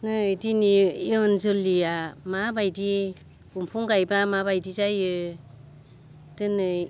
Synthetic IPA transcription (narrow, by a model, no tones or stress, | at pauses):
nɯjdinijɔnzɯliamabajdi | umpʰuŋɡajbamaβajdizajɯ | d̥ɯnɯj